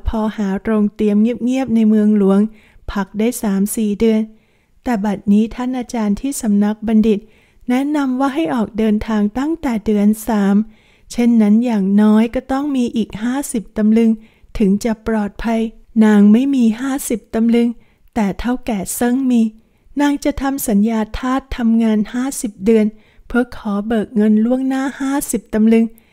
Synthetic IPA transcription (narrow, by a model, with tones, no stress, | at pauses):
pʰɔː˧haː˩˦ɾo˧ŋt̪i˧əmŋi˥˩əp̚ŋi˥˩əp̚na˧jmɯ˧əŋlu˩˦əŋ | pʰa˨˩k̚daː˥˩jsaː˩˦msiː˨˩dɯ˧ən | t̪ɛː˨˩ba˨˩t̪̚niː˦˥t̪ʰa˥˩nʔaː˧t͡ɕaː˧nt̪ʰiː˥˩sa˨˦mna˦˥k̚ba˧ndi˨˩t̪̚ | nɛ˦˥na˧mwaː˥˩ɦa˥˩jʔɔː˨˩k̚dɤː˧nt̪ʰaː˧ŋt̪a˥˩ŋt̪ɛː˨˩dɯ˧ənsaː˩˦m | t͡ɕʰe˥˩nːa˦˥njaː˨˩ŋnɔː˦˥jkɔː˥˩t̪ɔ˥˩ŋmiː˧ʔiː˨˩k̚haː˥˩si˨˩p̚t̪a˧mlɯ˧ŋ | t̪ʰɯ˩˦ŋt͡ɕa˨˩pɾɔː˨˩t̪̚pʰa˧j | naː˧ŋma˥˩jmiː˧ɦaː˥˩si˨˩p̚t̪a˧mlɯ˧ŋ | t̪ɛː˨˩t̪ʰa˥˩wkɛː˨˩sɤ˥˩ŋmiː˧ | naː˧ŋt͡ɕa˨˩t̪ʰa˧msa˩˦njaː˧t̪ʰaː˥˩t̪ʰːa˧mŋaː˧nhaː˥˩si˨˩p̚dɯ˧ən | pʰɯ˧˥ɐkʰɔː˩˦bɤː˨˩k̚ŋɤ˧nlu˥˩əŋnaː˥˩haː˥˩si˨˩p̚t̪a˧mlɯ˧ŋ